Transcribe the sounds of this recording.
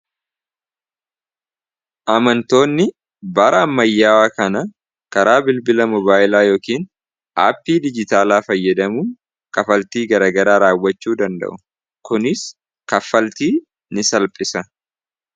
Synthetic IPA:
ʔɐmɐnt̪o̞ːnːɪ | bɐɾɐːmːɐjːaːwaːkɐnɐ | kɐɾaːbɪlbɪlɐmɔbaːɪlaːjoːkiːn | ʔa̰ːpːiːd̪ɪd͡ʒɪt̪aːlaːfɐjːɐd̪ɐmuː | kɐfɐlt̪iːɡɐɾɐɡɐɾaːɾaːwːɐt͡ʃːuːd̪ɐnd̪ɐ̰ʔʊ | kʊnɪs | kɐfːɐlt̪iː | nɪsɐlpʼɪsɐ

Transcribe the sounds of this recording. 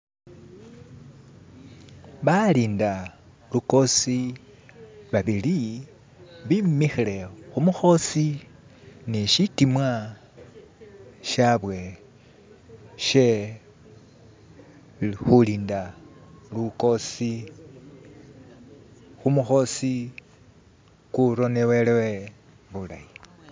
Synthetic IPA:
βaliːnda | luko̞si | βaβili | βimixile̞xumuxo̞si | neʃitimwa | ʃaβwe̞ | ʃe̞ | xuliːnda | luko̞si | xumuxo̞si | kuɾo̞newelewe | βula̰ji

